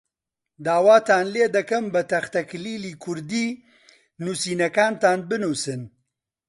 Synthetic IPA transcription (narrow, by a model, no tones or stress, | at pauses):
d̪aːwaːt̪aːnleːd̪ɐkɐmbɐt̪ɐxt̪ɐkliːliːkʰʊɾd̪iː | nusiːnɐkaːnt̪aːnbɨnuːsɨn